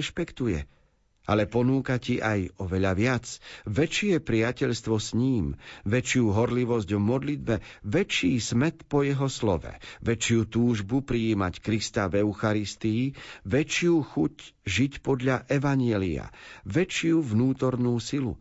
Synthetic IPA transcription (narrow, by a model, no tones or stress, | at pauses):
ʃpɛkt̪ujɛ̰ | ʔa̰lɛpɔnuːkaciʔajɔʋɛʎaʋɪat͡sʋɛt͡ʃɪɛpɾɪacɛʎst̪ʋɔsɲiːmʋɛt͡ʃɪjuɦɔɾliʋɔzɟvmɔd̪lid̪bɛʋɛt͡ʃiːsmɛt̪pɔjɛɦɔslɔʋɛ̰ʋɛt͡ʃɪut̪uːʒbupɾiiːmackɾist̪avɛʊxaɾist̪iiʋɛt͡ʃɪuxucʒicpɔd̪ʎaʔɛʋaɲɪɛlḭa̰ʋɛt͡ʃɪuvnuːt̪ɔɾnuːsilṵ